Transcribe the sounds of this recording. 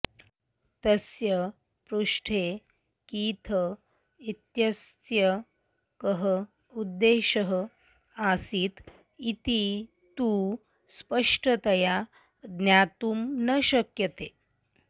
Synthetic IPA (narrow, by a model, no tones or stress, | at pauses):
t̪əsjə | pɾuʂʈʰe | kiːt̪ʰə | it̪jəst̪jə | kəɦə | ud̪ːeɕəɦə | asiːt̪ | it̪i | t̪uː | spəʂʈʰət̪əja | d̪njat̪uːmnəɕəkjət̪e